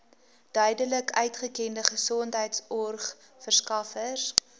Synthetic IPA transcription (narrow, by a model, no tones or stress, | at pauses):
d̥œɥdələkœɥtχəkɛndəχəsɔntɦəjtsɔrχ | fərskɐfəs